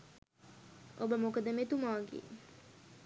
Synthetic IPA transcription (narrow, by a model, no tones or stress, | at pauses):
ʔobəmokəd̪əmet̪umaːɡḛ